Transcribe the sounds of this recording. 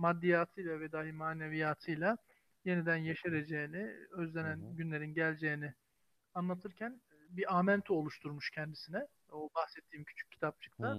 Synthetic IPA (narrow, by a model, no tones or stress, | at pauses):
mad̪ːijaːt̪ʰɯjlˠavɛd̪aːɦimaːnevijaːt̪ʰɯjlˠa | je̞nid̪ænjaʃeɾed͡ʒejiniø̞zlʲe̞nænɟynlʲe̞ɾinɟælʲd͡ʒejinɪ | anlˠat̪ʰɯɾcʰæn | biʔaːmænt̪ʰuo̞lˠuʃt̪ʰuɾmuʃcʰɛnd̪isinɛ | obaxsɛt̪ʰːiːmcʰy̥t͡ʃʰy̥c̚ʰːi̥t̪ʰap̚t͡ʃʰɯ̥kt̪ʰa